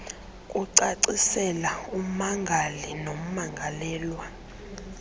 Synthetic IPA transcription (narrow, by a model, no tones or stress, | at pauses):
kʼuǀaǀisɛlaum̩maŋɡʱalinom̩maŋɡʱalɛːlwa